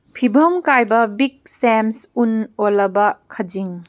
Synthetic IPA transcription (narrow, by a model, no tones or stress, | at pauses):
pʰibʱɐmkajbɐbik̚semsunolɐbɐkʰɐd͡ʒiŋ